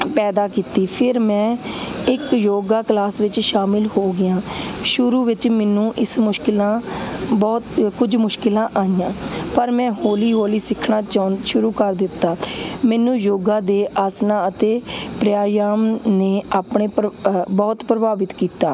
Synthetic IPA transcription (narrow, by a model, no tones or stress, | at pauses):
pɛːd̪aːkiːt̪iːpʰɪɾmɛ̃ːɪkjoːɡaːklaːsʋɪt͡ʃʃaːmɪlhoːɡɪjãːʃʊɾuːʋɪt͡ʃmɛːnũːʔɪsmʊʃkɪlãːbɔːt̪kʊd͡ʒmʊʃkɪlãːʔaːijãːpəɾmɛ̃ːɦoːliːɦoːliːsɪkʰɳaːt͡ʃaʃʊɾuːkəɾd̪ɪt̪ːaːmɛːnũːjoːɡãːd̪eːʔaːsnãːət̪eːpɾɪjaːjaːmneːaːpɳeːpbɔːt̪pɾəbaːʋɪt̪kiːt̪a̰ː